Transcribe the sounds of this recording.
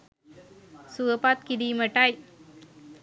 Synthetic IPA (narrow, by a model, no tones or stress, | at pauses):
suəpaːt̪̚kid̪imɐʈːaːj